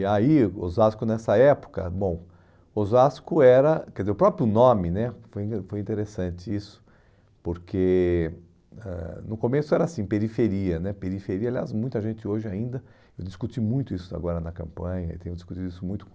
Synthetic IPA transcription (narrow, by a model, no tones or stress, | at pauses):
aio̰zaskʊnɛsɐɛpʊ̥kɐ̰bõw̃ | ozaskʊɛɾɐkɛɾdɪzeɾʊpɾɔpɾjʊnõmɪnɛfojfojĩnt̪eɾesɐ̃nt͡ʃɪisʊ̥ | poɾke | ɛ̰nʊkomesʊɛɾɐasĩpeɾifeɾiɐnɛpeɾifeɾiɐalia̰smũj̃t̪ɐʒẽnt͡ʃɪoʒɪaĩnd̪ɐ | ewd̪iskut͡ʃimũj̃t̪ʊisʊa̰ɡɔɾɐnɐkɐ̰̃mpɐ̃ɲɐḛt̪ẽjʊd̪iskut̪t͡ʃid̪ʊisʊmũj̃t̪ʊ̥